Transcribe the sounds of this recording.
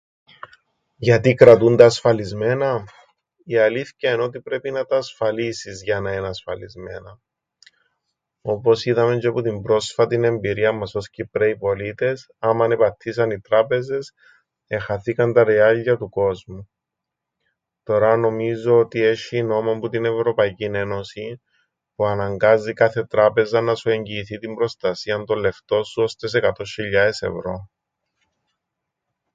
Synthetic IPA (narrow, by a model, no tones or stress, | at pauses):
ʝɐt̪ikɾɐt̪und̪ɐːsfɐlizme̞nɐ | iɐliθcɐeno̞t̪ipɾe̞pinɐt̪ɐːsfɐlisizʝɐnɐenɐsfɐlḭzme̞̰nɐ | o̞po̞siðɐmend͡ʒeput̪imbɾo̞sfɐt̪ine̞mbiɾiɐmːɐso̞scipɾeipo̞lit̪e̞s | ɐmɐnepɐt̪ʰːisɐnit̪ɾɐpe̞ze̞s | e̞xɐθikɐnt̪ɐɾeɐʎːiɐt̪uko̞zmu | t̪o̞ɾɐno̞mizo̞ot̪ie̞ʃino̞momput̪ine̞vɾo̞pɐicine̞no̞si | puɐnɐŋɡɐzːikɐθe̞t̪ɾɐpe̞zɐnɐsue̞ɲɟiːθit̪imbɾo̞st̪ɐsiɐnt̪olːe̞ft̪o̞suo̞st̪e̞s̬ekɐt̪o̞çiʎːɐese̞̰vɾo̞